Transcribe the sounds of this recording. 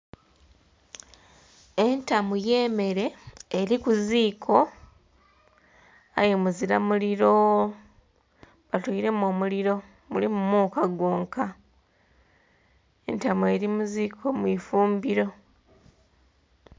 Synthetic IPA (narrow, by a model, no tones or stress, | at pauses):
e̞ntamuje̞ːme̞ɾe̞ːɾikuziːkʰo̞ | ajemuziɾamuliɾo̞ | βatoiɾe̞mo̞ːmuliɾo̞ | mulimumuːkaɡwo̞ːŋka | e̞̰ntamue̞ɾimuziːkʰo̞mwifuːmbiɾo̞